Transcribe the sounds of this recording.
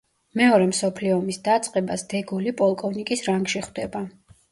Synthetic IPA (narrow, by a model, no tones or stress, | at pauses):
mɛɔɾɛmsɔpʰliɔːmisd̪at̪sʼqʼɛbasd̪̥ɛɡulipʼɔlˠkʼɔvnikʼisɾaŋɡʃiχwd̪ɛba